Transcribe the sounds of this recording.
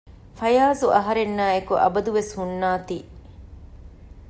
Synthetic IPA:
fɐjaːzuʔɐɦɐɾenːaːekuʔɐ̰bɐd̪uʋeshunːaːt̪iː

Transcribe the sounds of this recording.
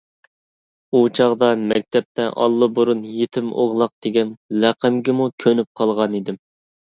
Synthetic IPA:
ut͡ʃʰɑʁd̪ɑmɛk̚ʲt̪ʰɛp̚t̪ɛʔɑ̰lˠːɨbuɾunjet̪ʰɪmo̰ʁlˠɑq̚d̪̥eɡʲɛnlæqʰəmɡʲɪmukʲʰønyp̚qʰɑlˠʁɑnid̪ɪm

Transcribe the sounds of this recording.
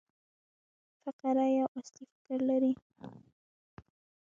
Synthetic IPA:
faqɑɾajaʔast̪ifɪkaɾlaɾi

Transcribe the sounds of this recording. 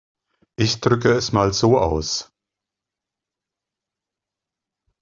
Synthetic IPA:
ʔɪçd̥ʁʏkəɛsmaːlzoːʔa̰ʊs

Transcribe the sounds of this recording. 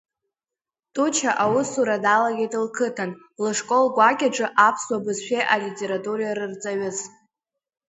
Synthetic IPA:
tʼut͡ʃʰaʔawʊsuɾadalaɡʲetʼɨlkʰɨtʰan | lɨʂkʼo̞lɡʷakʲʼaʈ͡ʂʼɨʔapʰswabɨzʃᶣeʔalitʲʼe̞ɾatʼurajaɾɨrt͡sʼaɥʊz

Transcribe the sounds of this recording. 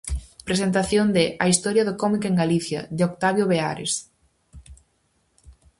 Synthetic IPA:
pɾesent̪aθjond̪ɪʔɐist̪ɔɾjɐðʊkɔmikeŋɡaliθjɐ̰ðeokt̪aβjoβea̰ɾḛs

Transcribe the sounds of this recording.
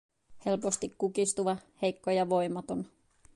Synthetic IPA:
he̞lpo̞st̪ikːukist̪uʋɑhe̞jkːojɑʋo̞jmɑt̪o̞n

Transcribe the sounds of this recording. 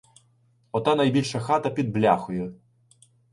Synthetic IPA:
ɔt̪ɑnɐjbʲilʲʃɐxɑt̪ɐpʲid̪̚blʲɑxʊjɛ

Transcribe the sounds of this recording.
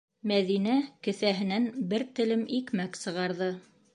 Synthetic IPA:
mæðinækɘ̆θæɦɘ̆nænbɘɾt̪ɘ̆lɘmikmæksɤ̆ʁɑɾðɤ

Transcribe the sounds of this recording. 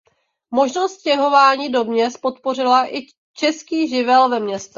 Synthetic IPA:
mo̞ʒnost̪cɛɦo̞vaːɲiːdo̞bɲɛspo̞t̪po̞r̝ɪlaʔɪ | t͡ʃɛskiːʒɪvɛlvɛmɲɛst̪ɛ

